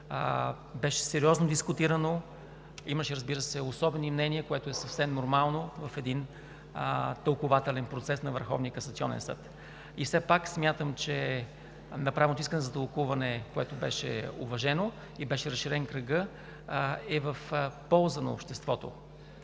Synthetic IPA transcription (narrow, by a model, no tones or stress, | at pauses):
bɛʃɛ̥sɛɾiɔznod̪iskʊt̪iɾəno | iməʃɛɾəzbiɾəsɛosɔbɛnimnɛniəkoɛt̪oɛsɐfsɛmnoɾmalˠnovɐfɛd̪in | t̪əlˠkʊvat̪ɛlɛnpɾot̪sɛsnɐvəɾxɔ̰vnijəkɐsɐt̪siɔ̰nɛ̰nsɤ̰t̪ | ifsɛpaksmʲjat̪əmt͡ʃɛ | nɐpɾavɛnot̪ʊiskənɛzɐt̪əlˠkuvɐnɛkoɛt̪obɛ̰ʃɛ̰o̰vɐʒɛno | ibɛʃɛɾɐsːiɾɛnkɾəɡɤ | ɛvəfpɔlˠzəno̰ːpʃt̪ɛst̪vɔt̪o̰